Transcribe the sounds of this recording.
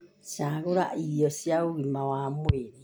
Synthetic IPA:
sjaɣoɾa̰ʔijɔsjaoɣimawamweɾi

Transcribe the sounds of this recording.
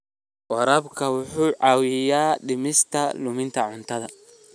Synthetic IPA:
wɐɾɐbkʰɐwʊħuːʕɑwɪjaːɖɪmɪst̪ʰɐlʊmɪnt̪ʰɐʕʊnt̪ʰɐðɐ

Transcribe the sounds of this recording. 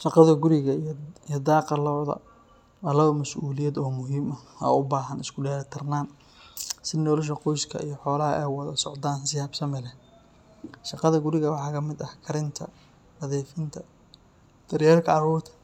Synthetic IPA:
ʃɑqɑðɐɡʊɾɪɣɐjɔd̪ɑːqɑlɔːðɐ̰ | ɐlɐwɐmɐsʔuːlɪjɛd̪ɔːmʊɦiːmɐɐ̰ʊbaːɦɐnɪskʰʊɖɛːɾt̪ʰɐrnaːn | sɪnɔːlɐʃ̬ɐqɔjskʰɐ̰ʔijɞħɔːlɐɦɐ̰ʔɛːwɑðɐsɔʕd̪aːnsɪjaːbsɐmɛlɛ | ʃɑqɑðɐɡʊɾɪɣɐwɑħɑːkʰɐmɪd̪ɐhkʰɐɾɪnt̪ʰɐ | ɐðɛːfɪnt̪ʰɐ | d̪̥ɐrjaːlkʰɐɐhɔːt̪ʰɐ

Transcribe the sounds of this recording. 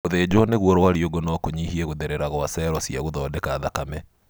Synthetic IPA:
oðeːd͡ʑɔneɣwɔɾɔwaɾioɡonɔkoɲihiɛɣoðeɾeɾaɣɔasɛɾɔsiaɣoðɔdekaðakamɛ

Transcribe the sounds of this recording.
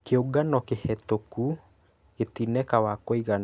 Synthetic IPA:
keoɡanɔkehɛt̪oku | ɣet̪inɛkawakoiɣan

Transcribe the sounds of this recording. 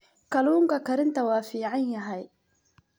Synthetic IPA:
kʰɐluːŋkʰɐkʰɐɾɪnt̪ʰɐwɑːfiːʕɑnjɐɦɛj

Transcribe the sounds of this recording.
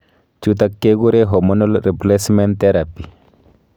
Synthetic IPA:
t͡ʃut̪akːeɡuɾeɦomonolɾiplesment̪eɾapi

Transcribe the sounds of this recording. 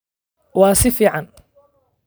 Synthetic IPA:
wɑːsɪfiːʕɑn

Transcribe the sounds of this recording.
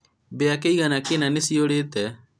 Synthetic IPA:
bejakejɡanakenanɪsioɽet̪ɛ

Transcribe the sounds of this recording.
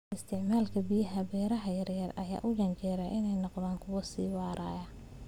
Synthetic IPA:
ʔɪst̪ʰɪʕmaːlkʰɐbijɐɦɐbɛːɾɐɦɐjɐrjɐrɐ̰ja̰ːʔʊɡɐnt͡ʃɛːɾɐʔɪnɛjnɔqd̪aːŋkʰʊwɐsiːwɑːɾʔaːjɐ

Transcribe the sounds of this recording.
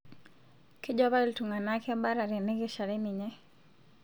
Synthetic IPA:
kiʄɔβailtuŋanakɛaɓaɾaɾɛnɛkɛʃaɾɛniɲɛ

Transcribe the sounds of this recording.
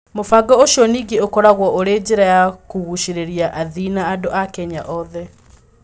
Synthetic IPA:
mofaɡɔoɕiɔniːɡeokɔɾaɣwɔʔoɾed͡ʑeɾajakuɣuʃiɾeɾiaʔaðinaːdoʔakɛɲaʔɔðɛ

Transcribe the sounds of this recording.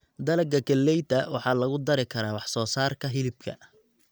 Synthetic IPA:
d̪ɐlɐɡɐɡɐlːɛjt̪ɐwɑħɑːlɐɣʊd̪ɐɾɪkʰɐɾaːwɑħsɔːsaːrkʰɐɦɪlɪb̚kʰɐ̰

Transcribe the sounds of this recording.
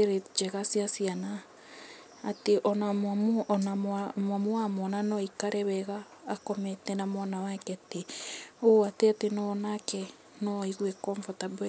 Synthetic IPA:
eɾed͡ʒɛɣasiasianaː | teʔɔnamamnaamwamuwamɔnanɔikaɾɛβɛɣaː | kɔmɛtɛnamɔnawakɛteoateatenɔnakɛ | nɔiɣwɛkɔɱvɔtab

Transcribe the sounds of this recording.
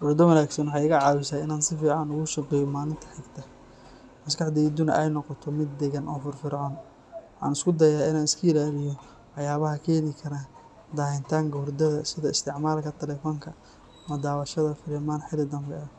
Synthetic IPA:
wʊɾd̪ɔwɐnaːɡsɐnwħɑjɣɐʕɑːwɪsaːɪnaːnsɪfiːʕɑnʊɣʊʃɑqɛːjɔmaːlɪnt̪ʰɐ̥ħɪɡt̪ʰɐ | mɐskɑħd̪ɛd̪ʊnɐ̰ʔɛjnɔqɔt̪ʰɔmɪd̪̚ːɛɣɐnʔɔːfʊrfɪɾʕɔːn | wʊħɑ̰ːnɪskʰʊd̪ɐjaːɪnaːnɪskʰʊɪlaːlɪjɔ | wɑħjaːβɐɦɐkʰɛːnɪkʰɐɾaː | d̪aːhɪnt̪ʰaːŋkɐhʊrd̪ɐðɐsɪðɐɪst̪ʰɪʕmaːlkʰɐt̪ʰɛlɛfɔːŋkʰɐ | ɐmɐd̪aːwɐʃɐðɐfɪlɪmaːnħɪlɪd̪ɐmbɛɐ

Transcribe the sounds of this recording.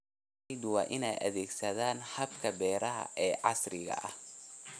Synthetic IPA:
jðʊwɑ̰ːʔɪnɛjʔɐ̰ðɛːɡsɐðaːnħɐbkʰɐbɛːɾɐɦɐ̰ʔɛːʕɑsrɪɣɐ̰ʔɐh

